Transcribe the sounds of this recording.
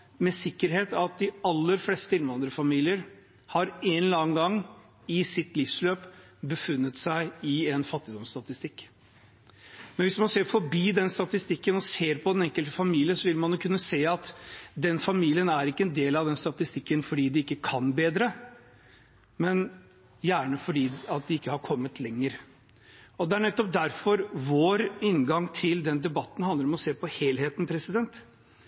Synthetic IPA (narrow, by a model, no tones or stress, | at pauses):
mɛsɪkːəɾɦeːt̪ɑt̪̚d̪ɪɑlːəɾflɛst̪əɪnʋɑnd̪ɾəfɑmiːlɪəɾ | hɑɾɛnlɑːŋɡɑŋː | ɪsɪt̪lɪfsløːp | bəfʉnːət̪sæɪɪɛnfɑt̪ːɪd̪ɔmst̪ɑt̪ɪst̪ɪkː | mɛnʋɪsmɑnseːɾfɔɾbiːd̪ɛnst̪ɑt̪ɪst̪ɪkːənɔseːɾpʰɔɛnɛŋkəlt̪əfɑmiːlɪəsɔʋɪlmɑnjʊkʰʉnːəseːɑt̪d̪ɛnfɑmiːlɪənæɾɪkːəɛnd̪eːlɑʋd̪ɛnst̪ɑt̪ɪst̪ɪkːənfɔɖiːd̪ɪɪkːəkʰɑnbeːd̪ɾə | mɛn | jæːɳəfɔɖiːɑt̪̚d̪ɛɪkːəhɑɾkʰɔmːət̪ʰlɛŋːəɾ | ɔd̪ɛæɳɛt̪ːɔp̚d̪æɾfɔɾʋoːɾɪnɡɑŋt̪ʰɪld̪ɛnd̪ɛbɑt̪ːn̩hɑnd̪ləɾɔmɔseːpɔheːlheːt̪npʰɾɛsɪd̪ɛnt̪